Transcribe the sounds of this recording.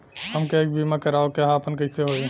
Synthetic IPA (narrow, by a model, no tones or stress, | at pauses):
ɦəmkeeːk̚bimakəɾaːokaɦapənkəɪseɦoːi